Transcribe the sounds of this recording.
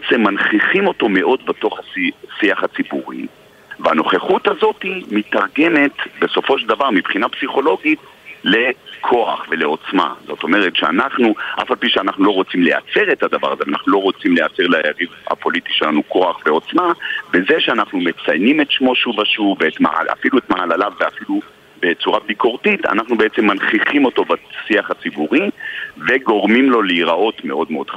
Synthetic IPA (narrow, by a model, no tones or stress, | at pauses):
t͡semːanχiχimo̞to̞me̞ʔo̞dbe̞to̞χasisiaχat͡sibuʁḭ | veano̞χeχuthazo̞timitaʁɡe̞me̞tbe̞so̞foʃeldavaʁmibχinapsiχo̞lo̞ɡit | le̞kʰo̞a̰χve̞le̞o̞t͡sma̰zo̞̰to̞me̞ʁetʃea̰naχnuʔa̰falpiʃeanaχnulo̞ʁo̞t͡simlea̰t͡se̞ʁetad̪ava̰ʁazevanaχnuloʁo̞t͡simleat͡se̞ʁlajaʁivha̰po̞litiʃelanuko̞aχveo̞t͡smabe̞zeʃeanaχnume̞t͡sajnimetʃmo̞ʃuvaʃuveetma̰a̰filuetmaalalavːeafilu | be̞t͡suʁabikʰo̞ʁtita̰naχnubeet͡semːanχiχimo̞to̞basiaχat͡sibuʁive̞ɡo̞ʁmimlo̞leiʁao̞tme̞o̞dmeo̞d̥χ